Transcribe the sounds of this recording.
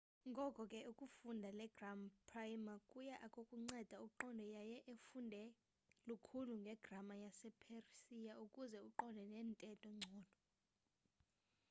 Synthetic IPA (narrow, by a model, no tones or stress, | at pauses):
ŋɡʱɔkʼɔkʼɛukʼufundʱalɛɡ̥rampʰʼrajmakʼujaʔakʼokʼuŋ͡ǀɛd̥ʱauǃɔndʱɔjajɛʔefundʱɛ | lukʰuluŋɡʱɛɡ̥ʱramajasɛpʰersijaukʼuzɛuǃɔndʱɛnɛːntʼɛtʼɔŋ͡ǀʱɔːd̥ʱɔ